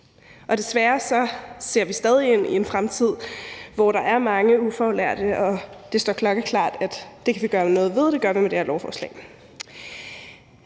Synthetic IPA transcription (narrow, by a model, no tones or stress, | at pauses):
ʔɒ̽d̥e̝sʋæɐsɒ̽se̝ɐ̰ʋisd̥ɛːð̞ˠie̝n̰ḭe̝nfʁamt͡sʰið̞̰ˠʋɒɾ̥ɑ̈ʔæɐmɑ̈ŋəufɒlæɐ̰d̥əɒ̽d̥e̝sd̥ɒɐ̰kʰlɒ̽ɡ̥əkʰlɑ̰̈ːd̥æd̥ːe̝kʰæʋiɡ̥ɶːɐmenɔ̽ːð̩ˠʋe̝ð̞ˠd̥e̝ɡ̥ɶɐʋimed̥e̝æɐlɒʊfɒːslɛ̰ɪ